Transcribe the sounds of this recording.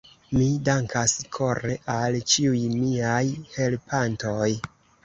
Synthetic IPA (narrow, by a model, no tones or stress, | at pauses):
midaŋkʰaskʰo̞ɾeʔalt͡ʃiujmiajhe̞lpʰanto̞j